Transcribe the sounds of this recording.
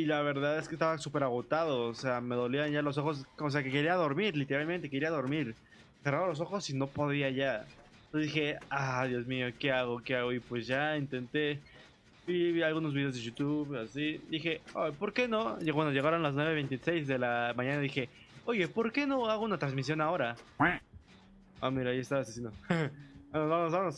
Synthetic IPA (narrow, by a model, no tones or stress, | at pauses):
ilaβe̞ɾðaðeskest̪aβasupe̞ɾaɣo̞t̪aðo̞ːse̞ame̞ðo̞lianʝalo̞s̬o̞xo̞sose̞akeke̞ɾiaðo̞ɾmiɾlit̪e̞ɾalmẽnt̪e̞keɾiaðo̞ɾmiɾ | seraðolo̞s̬o̞xo̞sinopo̞ðiaʝa | osezðixe̞aðjo̞zmio̞ke̞aɣo̞ke̞aɣoipwe̞szʝaint̪e̞nt̪e̞ | biβalɣuno̞zβiðezðeʝut̪uβasid̪ixeojpo̞ɾke̞no̞kwand̪oʝe̞ɣaɾonlas̬nwe̞βeβe̞jnt̪isejzðelamãɲãnaðixe̞ | oʝe̞po̞ɾke̞no̞aɣounat̪ɾanzmis̬jo̞nao̞ɾa | a̰miɾaːiest̪aβasesino | bamozβamosβamos